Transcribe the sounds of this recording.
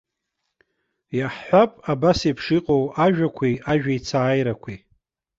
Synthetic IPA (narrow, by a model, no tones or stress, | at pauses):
jaħħʷapʼabasipʰʂiqʼowaʒᶣakʷʰiaʒᶣait͡sʰaːjɾakʷʰi